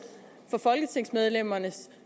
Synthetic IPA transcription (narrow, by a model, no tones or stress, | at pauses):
fɒ̽fɒ̽lɡ̥ət͡sʰe̝ŋ̰smeð̞ˠlem̰ɐnəs